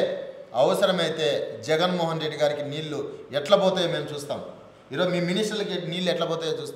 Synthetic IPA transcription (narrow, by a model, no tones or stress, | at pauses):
ɐʋɐsɐɾɐmɐjit̪e̞ːd͡ʒɛɡɐnmɔːɦɐnɾe̞ɖːiɡaːɾikiniːɭːuɛʈlɐbɔːt̪aːjemeːɐmt͡ʃuːst̪a̰ːm | iːɾo̞ːd͡ʒumiːminisʈɐlɐkiniːlːuɛʈlɐbɔːt̪ajet͡ʃuːst̪ː